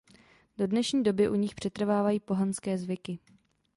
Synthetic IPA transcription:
d̥o̞dnɛʃɲiːdo̞bɪʔuɲɪxpr̝̥ɛt̪r̩vaːvajiːpo̞ɦanskɛːzvɪkɪ

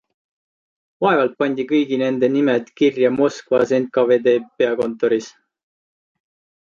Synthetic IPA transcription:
vɑevɑlt̪̚pɑnʲd̪̥ikɤjɡine̞nd̪e̞nimed̪kirjɑmo̞skvɑse̞nt̪̚kɑve̞ːd̪e̞ːpeɑko̞nt̪ːˑo̞ɾis

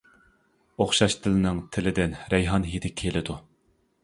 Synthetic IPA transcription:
oχʃɑʃt̪ʰɪlɪnɪŋt̪ʰɪlɪd̪ɪnɾɛjɦɑnɦid̪ɪkʲʰelɪd̪u

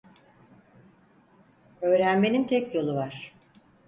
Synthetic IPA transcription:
ø̞ːɾænme̞nint̪ʰɛcjo̞lˠuvaɾ̥

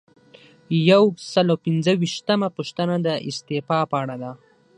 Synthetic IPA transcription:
jawsəlawpɪnzəwiʃt̪əmapuʃt̪ənad̪əɪst̪efɑpəaɽad̪a

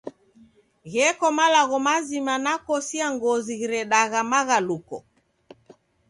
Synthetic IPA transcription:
ɣɛkɔmalaɣɔmazimanakɔsiaŋɡɔziɣiɾɛɗaɣamaɣalukɔ̰

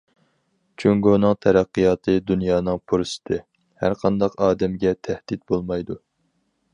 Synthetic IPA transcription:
t͡ʃʰøŋɡonɨŋt̪ʰɛɾæqːɨjɑːt̪ʰɨd̪unjɑːnɨŋpʰuɾsɨ̥t̪ʰɨ | hæ̰ɾqʰɑnd̪ɑqɑːd̪ɛmɡʲɛt̪ʰæhd̪̥ɪt̪̚bolˠmɑjd̪u

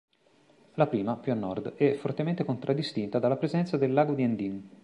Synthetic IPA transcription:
lapɾiːmapjuanːɔrd̪ɛfːort̪ement̪ekont̪ɾʔad̪ːist̪int̪ad̪alːapɾezɛnt̪sad̪elːaːɡod̪iɛnd̪in

